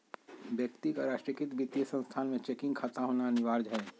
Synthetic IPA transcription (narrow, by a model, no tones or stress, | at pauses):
bjəkt̪ikaɾaːʃʈɾikɪt̪bit̪ːjəsə̃nst̪ʰaːnmẽt͡ʃeːkɪ̃ŋɡkʰaːt̪aɦoːnanɪʋaːɾd͡ʒɦɛː